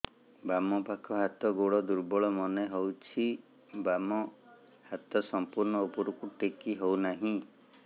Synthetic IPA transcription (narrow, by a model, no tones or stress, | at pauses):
bamɔpakʰɔɦat̪ɔɡoɽɭɔd̪uɾbɔɭɔmɔneɦɔwt͡ʃʰi | bamɔ | hat̪ɔsɔmpuɾɳɔopɔɾukuʈekiɦownaɦĩ